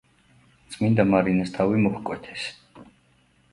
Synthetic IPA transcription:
t̪sʼmind̪amaɾinɛst̪ʰavimɔχkʼwɛt̪ʰɛ̥s

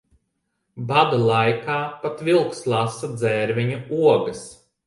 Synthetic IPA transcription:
bad̪alˠajkaːpat̪vilˠkslˠasad̪zɛːɾvʲiɲuuɔɡɐs

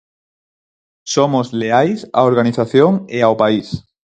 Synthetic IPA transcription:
somozleajsa̰oɾɣaniθaθjoŋeaopais

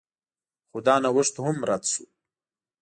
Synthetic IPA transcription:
xod̪ɑnawəʂt̪ohamɾat̪ʃu

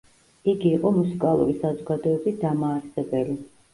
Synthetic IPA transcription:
iɡiːqʼɔmusikʼalˠṵɾisazɔɡad̪ɔɛbisd̪amaːɾsɛbɛli

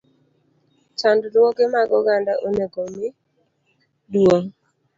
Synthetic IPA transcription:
t͡ʃanddɔɡɪmaɡɔɡandaʔoneɡomɪ | dwoŋ

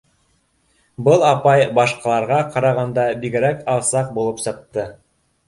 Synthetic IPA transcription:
bɤlˠɑpɑjbɑʃqɑlˠɑɾʁɑqɑɾɑʁɑnd̪ɑbiɡɘ̆ɾækɑlˠsɑq̚bulˠɤpsɤ̆q̚t̪ɤ

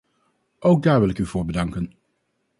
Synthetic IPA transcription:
ʔowk̚daːɹʋɪlˠɪkyv̥ʊːɹbədɑŋkən

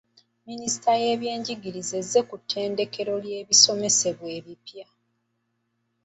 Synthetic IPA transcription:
minisi̥tʰaje̞ːβje̞ːɲɟiɡiɾize̞zːe̞kutʰːe̞ːnde̞ke̞ɾo̞lje̞ːβiso̞me̞se̞βweːβipja

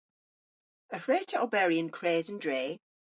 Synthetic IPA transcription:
əhɹeːˑtʰəə̰lbɛɹiə̃nkʰɹ̥eːzə̃ndɹeː

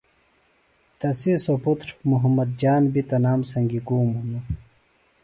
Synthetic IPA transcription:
t̪ɐsisoput̪ɾmuɦɐmːɐd̪̚d͡ʑaːnbit̪ɐnaːmsɐŋɡikuːmunu

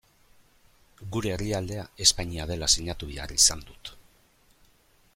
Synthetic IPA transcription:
ɡuɾe̞ːriald̪e̞ae̞spaɲiað̞e̞lasiɲat̪uβea̰risand̪ut̪

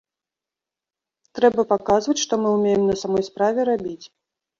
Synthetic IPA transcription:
t̪ɾɛbɐpakazvɐt͡sʲʂt̪ɔmɨumʲejɛmnɐsamɔjspɾavʲɛɾabʲit͡sʲ

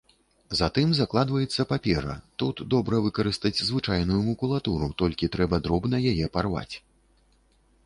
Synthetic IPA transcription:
zɐt̪ɨmzaklˠad̪vɐjɛt̪sːɐpapʲɛɾɐ̰t̪ut̪d̪ɔbɾɐvɨkɐɾɨst̪ɐd͡zʲzvɨt͡ʂajnujumukulˠat̪uɾut̪ɔlʲkʲit̪ɾɛbɐd̪ɾɔbnɐjajɛparva̰t͡sʲ

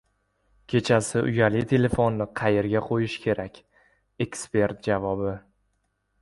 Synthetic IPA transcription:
kʲʰe̞t͡ʃʰasɪʔʊjalɪt̪ʰe̞le̞fonːɪqʰɑjeɾɡʲaqʰojɪʃkʲʰe̞ɾakʲ | ekspe̞ɾt̪̚d͡ʒavɒbɪ

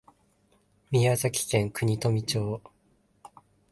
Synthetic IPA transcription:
mʲiazakʲi̥kẽŋkɯ̟ɲ̟it̪o̞mʲit͡ɕo̞ː

